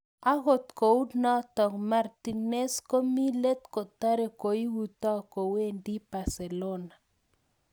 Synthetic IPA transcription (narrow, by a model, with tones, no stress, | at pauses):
a˦ɣo˨t̪ko˨u˦dnɔ˦t̪ɔ˨ŋma˨rt̪i˨ne˦sko˦mi˦le˦t̪ko˨t̪a˦ɾe˦ko˨i˦wu˦t̪ɔ˦ko˨we˦ndi˦ba˨se˨lo˦na˨